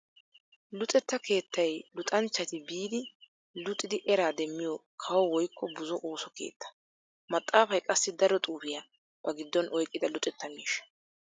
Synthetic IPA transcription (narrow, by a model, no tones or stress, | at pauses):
lʊt̪ʼɛt̪ːɐkʰe̞ːt̪ʰːɐjlʊt̪ʼɐnt͡ʃːɐt̪ɪbiːd̪ɪ | lʊt̪ʼːɪd̪ɪʔɛɾaːd̪ɛmːɪjɔkʰɐwɔwɔjkʰːɔbʊzɔʔoːsɔkḛːt̪ːɐ̥ | mɐt̪ʼːaːfɐjkʼɐsːɪd̪ɐɾɔt̪ʼuːfɪjɐ | b̥ɐɡɪd̪ːɔnʔɔjkʼːɪd̪ɐlʊt̪ʼɛt̪ːɐmḭːʃɐ̥